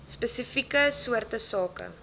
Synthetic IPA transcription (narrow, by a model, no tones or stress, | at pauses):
spɛsifikəsuərtəsɑːkə̰